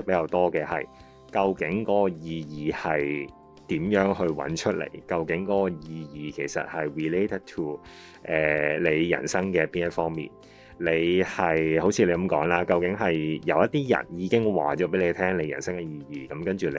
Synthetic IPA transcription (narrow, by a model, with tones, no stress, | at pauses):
pe˨˥jkɐ˧wt̪ɔː˥kɛː˨˧hɐ̰˨j | kɐ˧wkɪ˨˥ŋkɔː˧ɔ˧jiː˨˧jiː˨hɐ˨j | t̪iː˨˥mjœː˨˥ŋɦɵ˧ɥwɐ̰˨˥nt͡ʃʰɵ˥t̚lḛ˨˩jkɐ˧wkɪ˨˥ŋkɔː˧˥kɔ˧jiː˨˧jiː˨˩kʰe˨˩jsɐ̰˨t̚hɐ˨jɹiː˨le˥tə˨d̚tʰuː˨ | ʔɛː˨˩le˨˧jːɐ̰˨˩nsɐ˥ŋkɛː˧piː˥njɐ˥tfɔː˥ŋmḭː˨n | le˨˧jhɐ˨jho˨˥wt͡sʰiː˧le˨˧jkɐ˨˥mkɔː˨˥ŋlaː˥kɐ˧wkɪ˨˥ŋɦɐ˨jjɐ˨˧wjɐ˥t̚t̪iː˥jɐ̰˨˩njiː˨˧˥kɪ˥ŋwa̰ː˨˩t͡ʃɔː˨˥p̬e˨˥le˨˧t̪ʰɛː˥ŋle˨˧jɐ˨˩nsɐ˥ŋkɛ˧jiː˧jiː˨˩kɐ˨˦mkɐ˥nt͡ʃyː˨˩le˨˧